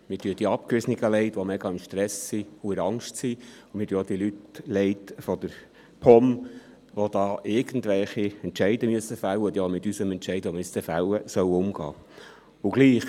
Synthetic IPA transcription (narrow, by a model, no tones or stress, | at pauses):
mɪtyəd̥iəɑp̚kɾʏsniɡəlɛɪtʋomɛɡɑɪmʃtɾɛsːiʊɪɾɑŋʃtsiʊmɪtyəod̥̪iəlytlɛɪtfɔd̥̪əɾ | pʰɔm | ʋod̥̪ɑːʔɪɾɡ̥ən̩d̪ʋɛlχiɛntt͡ʃɛɪdəmyəsəfæwədjɑmɪt̪ysəmɛntʃɛɪdomistəfæwəsœwʊmɡɑ̰ː | ʊɡliːχ